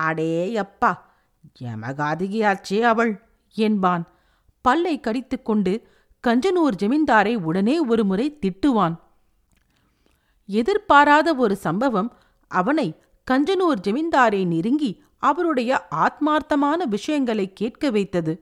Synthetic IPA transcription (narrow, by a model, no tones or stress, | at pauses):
ɐɽeːɐpːaː | d͡ʒɛ̰mɐ̰ɣaːðɪɣɪjaːɾt͡ʃːeːɐʋɐɭ | ɛnbaːn | pɐlːɐɪkːɐɽɪt̪ːɯkːɔɳɖɯ | kɐɲd͡ʒɐnuːɾd͡ʒɐmɪnd̪aːɾɐɪʊɽɐneːɔɾɯmɯrɐɪt̪ɪʈːɯʋaːn | ɛðɪɾpaːɾaːðɐɔɾɯsɐmbɐʋɐm | ʔɐʋɐnɐɪ | kɐɲd͡ʒɐnuːɾd͡ʒɐmɪnd̪aːɾɐɪnɪɾɯŋɡi | ɐʋɐɾɯɽɐjɐʔaːt̪̚maːɾt̪ːɐmaːnɐʋɪʂɐjɐŋɡɐɭɐɪkːeːʈ̚kɐʋɐɪt̪ːɐðɯ